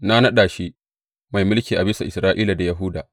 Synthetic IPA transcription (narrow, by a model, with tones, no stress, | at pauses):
na˦nɐ˦ɗaː˨ʃi˦ | ma˨jmʊ˦lkʲiː˨ʔa˨bɪ˦sa˨ʔɪ˨sɾaː˦ʔiː˦la˨da˨jɐ˨ɦʊ˦daː˨